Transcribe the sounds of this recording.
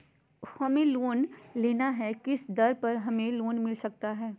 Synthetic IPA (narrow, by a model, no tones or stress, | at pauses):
hɐmẽloːnleːnaɦɛkɪsd̪ɐɾpɐɾɦɐmẽloːnmɪlsɐk̚t̪aɦɛː